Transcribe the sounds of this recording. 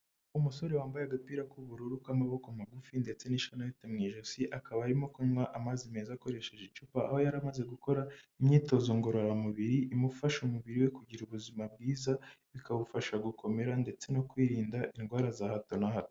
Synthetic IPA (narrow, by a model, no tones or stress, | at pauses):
umuso̞ɾe̞waːmbajeɡapiɾakuβuɾuɾukwamaβo̞kamaɡufinde̞t͡se̞niʃanajitemŋiʒosiʔakaβaːɾimo̞kuɲwaʔamazimezako̞ɾe̞ʃe̞ʒet͡ʃupaːhojaɾamaze̞ɡuko̞ɾaimɲiːto̞zoŋɡo̞ɾoɾamuβiɾiʔːmufaʃumuβiɾiwe̞kuɟiɾuβuzimab̚ɡiːzaβikaβufaʃaɡukʰo̞me̞ɾande̞t͡se̞no̞kwiːɾiːndaʔinɡwaːɾazahato̞nahato